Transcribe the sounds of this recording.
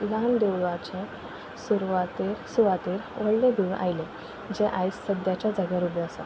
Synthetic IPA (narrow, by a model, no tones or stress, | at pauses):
land̪ewɭʋat͡ɕe | suɾuʋat̪iːɾsuʋat̪iɾʋəɽled̪ʱiʋ̃ʔa̰jle | d͡ʑeʔajsːəd̪jat͡ɕad͡zaɡjaɾubjaəsə